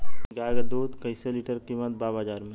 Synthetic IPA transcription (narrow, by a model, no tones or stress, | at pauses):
ɡaːɡəd̪oːt̪kəɪseliʈəɾkimət̪̚baːbad͡ʒaːɾmẽ